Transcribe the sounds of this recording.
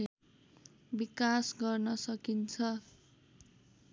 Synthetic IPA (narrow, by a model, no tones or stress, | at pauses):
bikasɡʌrnʌsʌkint͡sʰʌ